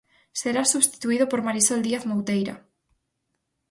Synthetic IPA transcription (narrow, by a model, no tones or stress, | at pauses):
seɾasuβst̪i̥t̪uiðʊpoɾmaɾisold̪iaθmowt̪ejɾa̰